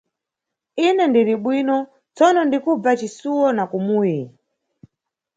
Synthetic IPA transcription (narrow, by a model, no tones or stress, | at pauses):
inɛndiɾiɓwiːnɔ | t͡sɔnɔndikub͡vat͡ʃisuwɔnakumuːji